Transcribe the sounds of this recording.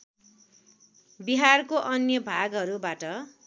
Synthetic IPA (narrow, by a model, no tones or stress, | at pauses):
biɦarkoʔʌnjʌbʱaɡɦʌɾubaʈʌ